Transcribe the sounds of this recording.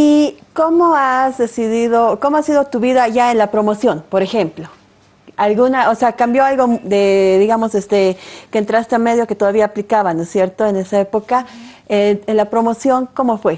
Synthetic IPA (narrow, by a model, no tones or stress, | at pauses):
ikomoazðesiðiðokomoasiðo̞t̪uβiðaʝaenlapɾomo̞sjo̞npo̞ɾexemplo | alɡunaʔoseakambjoalɣod̪eðiɣamosest̪ekeːnt̪ɾast̪eameð̞joket̪oðaβiaːplikaβanosje̞ɾt̪oene̞saepo̞ka | enenlapɾo̞mo̞sjo̞ŋko̞mofwe